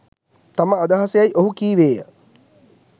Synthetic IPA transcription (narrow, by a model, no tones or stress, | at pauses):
t̪aməad̪aɦasejajʔoɦukiːʋeːjə